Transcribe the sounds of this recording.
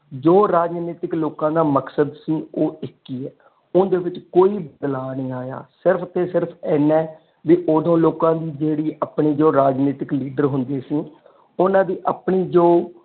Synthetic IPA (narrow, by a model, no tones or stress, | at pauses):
d͡ʒoːɾaːd͡ʒniːt̪ɪkloːkãːd̪aːməksəd̪sĩːoːɪkːiːɛː | ʊnd̪eːʋɪt͡ʃkoːiːbəd̪laːnĩːaːja̰ːsɪɾpʰt̪eːsɪɾpʰɛːnɛ̃ː | ʋiːʔoːd̪õːloːkãːd̪iːd͡ʒeːɽiːʔaːpɳiːd͡ʒoːɾaːd͡ʒniːt̪ɪkliːɖəɾɦʊnd̪eːsĩː | ʊnãːd̪iːʔaːpɳiːd͡ʒoː